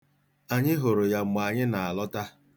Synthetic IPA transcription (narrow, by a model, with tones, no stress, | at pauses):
a˨ɲɪ˦ɦo˨ɾo˨ja˨ŋ͡m̩˨ɡ͡ba˨ɲɪ˦na˨a˨lɔ˦ta˦